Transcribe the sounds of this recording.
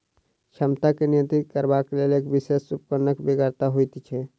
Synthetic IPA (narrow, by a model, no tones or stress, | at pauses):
t͡ʃʰəmt̪akenint̪ikəɾbakeleleːkbisesːupkənəkbeɡəɾt̪aɦojt̪t͡ʃʰɛ